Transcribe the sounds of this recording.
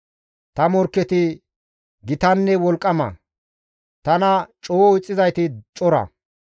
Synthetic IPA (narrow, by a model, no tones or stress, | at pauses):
t̪ɐmɔɾkːɛt̪ɪ | ɡɪt̪ɐnːɛwɔlkʼːɐmɐ̰ | t̪ɐnɐt͡ʃʼoːɪt͡sʼːɪzɐjt̪ɪt͡ʃʼɔɾɐ̰